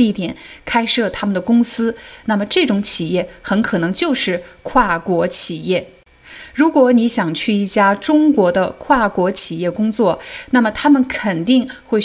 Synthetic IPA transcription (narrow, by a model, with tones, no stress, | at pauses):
i˥˩t̪jɛ˨˩˦nkʰa˥ɪʂɤ˥˩t̪ʰa˥mə˨nd̪ə˩kʊ˥ŋsɹ̩˥na˥˩mə˩ʈ͡ʂɤ˥˩ʈ͡ʂʊ˧˥ŋt͡ɕʰi˨˩jɛ˥˩xə˧˥nkʰɤ˨˩nɤ˧˥ŋt͡ɕjo˥˧ʊʂɻ̩˥˩kʰwa˥˩kwɔ˧˥t͡ɕʰi˨˩jɛ˥˩ | ɻu˧˥kwɔ˧˥ni˧˥ɕjɑ˨˩ŋt͡ɕʰy˥˧i˥˩t͡ɕja˥ʈ͡ʂʊ˥ŋkwɔ˧˥d̪ə˧kʰwa˥˩kwɔ˧˥t͡ɕʰi˨˩jɛ˥˩kʊ˥ŋt͡swɔ˥˩na˥˩mə˩t̪ʰa˥mə˨nkʰə˨˩nt̪i˥˧ŋxwe˥˩ɪ